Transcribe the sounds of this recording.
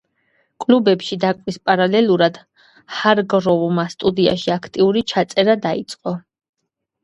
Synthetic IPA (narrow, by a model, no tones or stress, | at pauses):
kʼlubɛpʃid̪akʼvwispʼaɾalɛlˠuɾad̪̥ | haɾɡɾɔvmast̪ʼud̪ia̰ʃiakʰt̪ʼiuɾit͡ʃʰat̪sʼɛɾad̪ait̪sʼqʼɔ